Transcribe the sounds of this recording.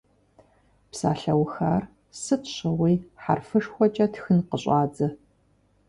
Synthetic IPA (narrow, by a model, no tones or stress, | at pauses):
psa̰ːɬɐwxaːr | sɨtʰɕɐwijħa̰rfɨʂxʷɔt͡ʃʼɐtxɨnqəɕʼɑːd͡zɨ